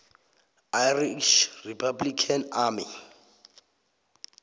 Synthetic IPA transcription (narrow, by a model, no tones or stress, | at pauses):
ajriʃripʰablikʰanami